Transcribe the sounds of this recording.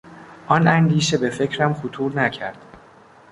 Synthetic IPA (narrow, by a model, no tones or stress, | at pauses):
ʔɒːnʔænd̪iːʃe̞be̞fe̞cʰɾæmxot̪ʰuːɾnæcʰæɾd̪̥